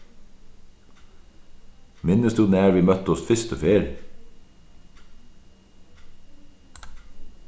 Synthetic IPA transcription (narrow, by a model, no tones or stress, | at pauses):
mɪnəst̪ʉn̩æːɾʋiːmœt̪ɔst̪fɪst̪əfeːɾ